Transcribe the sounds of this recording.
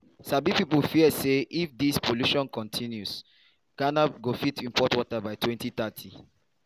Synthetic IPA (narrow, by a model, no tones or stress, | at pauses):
sabipipəlfiəseʔifd̪ispʰoluʃɔ̃nkɔ̃ntʰĩnjus | kanab̚ɡofitĩmpɔtwɔtabaɪtʰwɛ̃ntiθatʰi